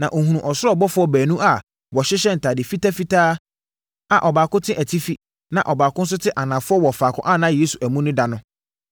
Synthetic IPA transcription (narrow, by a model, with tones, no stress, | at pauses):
nã˨ʔo˨ɦũ˨ũ˨ʔɔ˨sʊ˦ɾɔ˦bɔ˦fʊ˦ɔ˦bæː˨nũ˦ʔa˨ | wɔ˨ɕɪ˦ɕɛ˦n̩˨tʰa˨dɪ˨fi˦tʰa˦fi˦tʰaː˦ | a˨ʔɔ˨baː˨kʊ̃˦tʰɪ̃˦ʔæ˨tʰi˦fi˦ | nã˨ʔɔ˨baː˨kʊ̃˦n̩˦s̬ʊ˦tʰɪ˦ʔa˨nãː˨fʊ˦ɔ˦wɔ˨faː˨kʰʊ̰̃˦ʔa˦˨nã˦˨jeː˦su˨ʔæ˨mũ˦nʊ̃˦da˨nʊ̃˦